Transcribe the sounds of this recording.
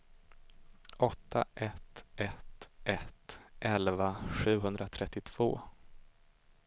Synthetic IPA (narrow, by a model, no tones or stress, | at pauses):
ʔɔt̪ʰːa̰ʔɛt̪ʔɛt̪ʔɛt̪ʔɛlvaɧʉ̟ːɡɦɵnd̪ɾat̪ʰɾɛt̪ːɪt̪ʰv̥o̰ː